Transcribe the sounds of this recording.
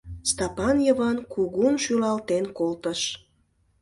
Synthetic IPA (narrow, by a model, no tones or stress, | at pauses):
st̪ɑpɑnjəβɑnkuɣunʃylɑlt̪enkolt̪əʃ